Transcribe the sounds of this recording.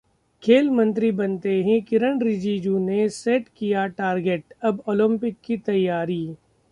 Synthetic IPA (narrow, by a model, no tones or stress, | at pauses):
kʰeːlmɐ̃nt̪ɾibɐnt̪eɦɛ̃kɪɾəɳɾɪd͡ʒiːd͡ʒuːneseːʈkijaʈaːɾɡeːʈɐboːlɪ̃mpɪkːit̪ɐjːaːɾiː